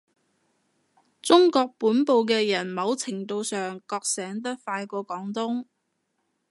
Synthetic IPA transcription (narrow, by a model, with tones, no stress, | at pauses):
t͡sʊ˥ŋkɔː˧k̚puː˨˥npo˨˧wk̬ɛː˧jɐ˨˩nmɐ˨˧˥wt͡sʰɪ˨˩ŋt̪o˧wsœː˨ŋkɔː˧k̚sɛː˨˥ŋt̪̬ɐ˥t̚faː˧jkɔː˧kɔː˨˥ŋt̪ʊ˥ŋ